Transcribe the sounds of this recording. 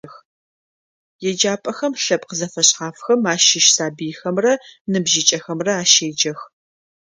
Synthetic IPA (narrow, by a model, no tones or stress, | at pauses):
x | jɛd͡ʒaːpʼɐxɐmɬɐpʼqəzɐfɐɕʼχaːfxɐmaːʃɪʃsaːbijxɐmrɐnɨbʒɪt͡ʃʼɐxɐmrɐaːʃeːd͡ʒɐx